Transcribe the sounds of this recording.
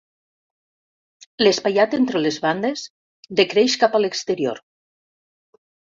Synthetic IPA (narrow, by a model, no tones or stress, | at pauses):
lespajat̪ent̪ɾelezβand̪ez | d̪ekɾeʃkapalekst̪eɾjo̰ɾ